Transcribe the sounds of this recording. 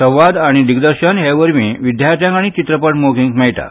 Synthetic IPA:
səwʋad̪aɽ̃id̪iɡd̪əɾɕənɦeʋəɾmiːʋid̪ʱjaɾt̪jãŋkaɽ̃it͡ɕit̪ɾəpəʈmoɡiŋkmɛjʈ̪a̰

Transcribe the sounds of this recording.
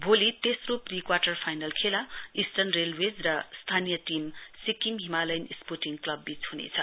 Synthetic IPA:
bʱolit̪esroprikwaʈʌrpʰajnalkʰelaisʈʌrnrelwed͡zrʌst̪ʰanijʌʈimsikimɦimalajnisporʈiŋklʌbːit͡sɦunḛt͡sʰʌ̰

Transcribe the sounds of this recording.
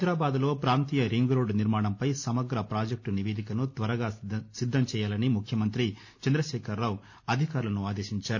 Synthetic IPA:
d̪ɾaːbaːd̪lo̞ːpɾaːnt̪iːjɐɾiŋɡɾoːɖniɾmaːɽɐmpɐjsɐmɐɡɾɐpɾaːd͡ʒɐk̚ʈuniʋeːd̪ikɐnut̪ʋɐɾɐɡaːsid̪ːɐmt͡ʃɛːjaːlɐnimukʰjɐmɐnt̪ɾi | t͡ʃɐnd̪ɾɐʃɛːkʰɐɾːaːw | ɐd̪ʱikaːɾulɐnuaːd̪eːʃiɲt͡ʃaːɾu

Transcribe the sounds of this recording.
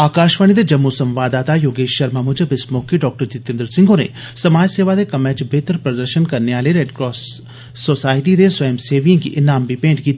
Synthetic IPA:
aːkaːʃʋəɽ̃id̪ed͡ʒɐmːusɐ̃mʋaːd̪aːt̪ajoːɡeːʃɐɾmamʊd͡ʒəbɪsmoːkiɖɔːk̚ʈəɾd͡ʒɪt̪ẽːnd̪ɾsɪ̃ŋɡʱonḛ | sɐmaːd͡ʒseːʋad̪ekɐmɛːt͡ʃbʱeːt̪əɾpɾɐd̪əɾʃənkɐɾneaːleɾeːɖkɾɔːsː | osaːɪʈid̪esʋɐjmseːʋijãkiʔɪnaːmbipẽːɳɖki

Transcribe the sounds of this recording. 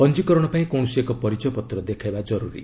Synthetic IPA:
pɔnd͡ʒikɔɾɔɽ̃ɔpaĩkow̃ɔsekɔpɔɾit͡ʃɔjɔpɔt̪ɾɔd̪ekʰajbad͡ʒɔɾuɾḭ

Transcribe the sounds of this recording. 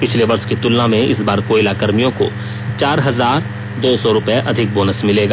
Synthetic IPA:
pɪt͡ʃʰleʋɐɾskit̪ʊlnamẽʔɪ̰sbaːɾkoːɪlaːkəɾmijõko̰ | t͡ʃaːɾɦɐzaːɾ | d̪oːsɔɾʊpjeʔɐd̪ʱɪk̚boːnəsmɪleːɡaː

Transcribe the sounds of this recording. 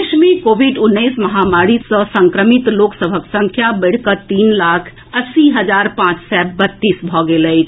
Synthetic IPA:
ʃmikoʋiɖunːəjsməɦamaɾisə̃sə̃ŋkɾəmit̪loksəbʱəksə̃ŋkʰjabəɽ̤kət̪iːnlakʰ | əsiɦəd͡ʒaɾpãːt͡ʃsɛbət̪ːisbʱɔɡeləjt͡ʃʰ

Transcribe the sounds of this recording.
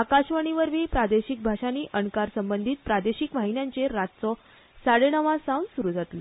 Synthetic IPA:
akaɕʋəɽ̃iʋəɾʋiːpɾad̪eɕik̚bʱaʂaniːʔəɳkaɾsəmbənd̪ʱiːt̪̚pɾad̪eɕikmaɦinjaɲt͡seɾat̪̚t͡sɔ | saɽeɳəʋãsãwnsuɾud͡zʱat̪lɔ

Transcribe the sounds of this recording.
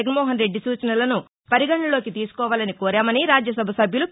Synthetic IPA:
ɡɐnmɔːɦɐnɾeɖːisuːt͡ʃɐnɐlɐnu | pɐɾiɡɐɳːɐlo̞ːkit̪iːsu̥kɔːʋaːlɐnikɔːɾaːmɐniɾaːd͡ʒjɐs̬ɐbʱɐsɐbʱjulu

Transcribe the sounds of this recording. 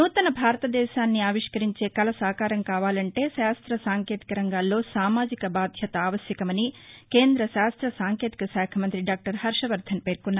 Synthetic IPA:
nuːt̪ɐnɐbʱaːɾɐt̪ɐd̪ɛːʃaːnːiaːʋiʂkɐɾiɲt͡ʃe̞ːkɐlɐsaːkaːɾɐmkaːʋaːlɐɳʈe̞ːʃaːst̪ɾɐsaːŋke̞ːt̪i̥kɐɾɐŋɡaːlːo̞ːsaːmaːd͡ʒikɐbaːd̪ʱjɐt̪ɐaːʋɐsjɐkɐmɐnike̞ːnd̪ɾɐʃaːst̪ɾɐsaːŋke̞ːt̪ikɐsaːkʰɐmɐnt̪ɾiɖaːk̚ʈɐɾhɐɾʂɐʋɐɾd̪ʱʰɐnpe̞ːɾkunːaː

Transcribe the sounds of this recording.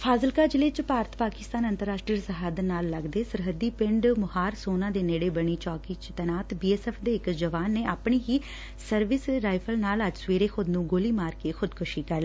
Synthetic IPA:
pʰaːzəlkaːd͡ʒɪleːt͡ʃpaːɾət̪paːkɪst̪aːnənt̪əɾːaːʃʈɾiəsəɦaːd̪naːlːəɡd̪eːsəɾɦəd̪iːpɪɳɖmʊhaːɾsoːnãːd̪eːneːɽeːbəɳiːt͡ʃɔːkiːt͡ʃt̪ɛːnaːt̪biːɛːsɛːpʰd̪eːɪkd͡ʒəʋaːnːeːʔaːpɳiːɦiː | səɾʋɪsɾaːipʰəlnaːləd͡ʒsʋeːɾeːxʰʊd̪nũːɡoːliːmaːɾkeːxʰʊd̪kʰʊʃiːkəɾl

